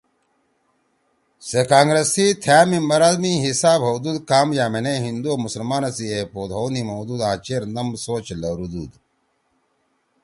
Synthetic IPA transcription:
sekaːŋɡɾesit̪ʰjaːmimbɐɾaːd̪mĩɦisaːbɦowd̪uːd̪kaːmjaːmeneɦind̪uomusɐlmaːnɐsiepoːd̪ɦownimowd̪uːd̪ãːt͡ɕeːɾnɐmsoːt͡ɕlɐɾud̪uːd̪

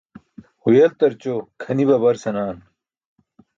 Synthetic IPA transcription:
hujɐlt̪ɐɾt͡ɕokʰɐnibɐbɐɾsɐnaːn

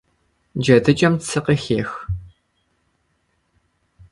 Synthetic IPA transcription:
d͡ʒɐdɨt͡ʃʼɐmtsʰɨqəxeːx

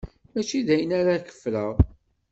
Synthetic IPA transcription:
æt͡ʃiðæjənaɾakə̥fːləʁˤ

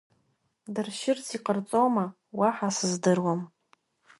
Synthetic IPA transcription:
dɨrʃɪrt͡sʰiqʼərt͡sʼoma | waħasɨzdɨrwam

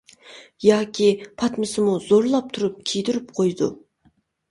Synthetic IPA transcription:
jɑːkʲʰipʰɑt̪mɨsɨmuzoɾlˠɑp̚t̪ʰuɾup̚kʲʰijd̪yɾypqʰojd̪ṵ

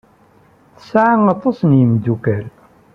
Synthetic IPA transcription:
θə̥sʕaŋɑt̪ˤːɑsnjəmd̪ukæl

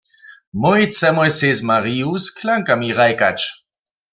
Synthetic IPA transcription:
mɔjit͡sɛmɔjsezmaʁiuskʰlaŋkamiʁajkat͡ʃ

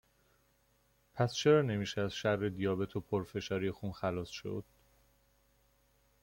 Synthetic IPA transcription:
pʰæst͡ʃʰe̞ɾɒːne̞miːʃeæzʃærːed̪ijɒːbe̞t̪ʰopʰoɾfe̞ʃɒːɾijexuːnxælɒːsʃo̞̰d̪̥̚

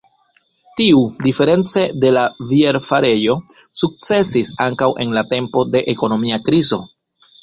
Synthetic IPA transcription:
tiudife̞ɾe̞nt͡se̞de̞lavie̞ɾfaɾe̞jo̞ | suk̚t͡se̞sisaŋkawʔe̞nlate̞mpo̞de̞ʔeko̞no̞miakɾizo̞

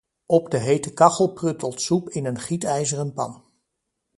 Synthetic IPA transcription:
ɔbdəɦejtəkɑχəlˠprɵtəlˠtsupɪnənχitɛjzərənpɑ̰n

